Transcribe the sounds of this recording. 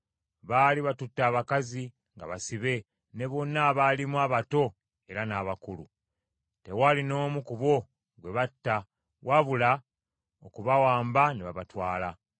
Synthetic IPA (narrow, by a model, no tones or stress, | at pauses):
βaliβatutːaːβakazi | ŋɡa̰βasiβe̞ | ne̞βo̞nːaβalimwaβato̞ | e̞ɾanaːβakulṵ | te̞walino̞ːmukuβo̞ | ɡwe̞βatːa | waβula | okuβawaːmbaneβaβatwaːla